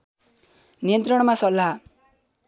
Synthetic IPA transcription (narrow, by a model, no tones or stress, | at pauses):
nijʌnt̪rʌɽ̃masʌlːa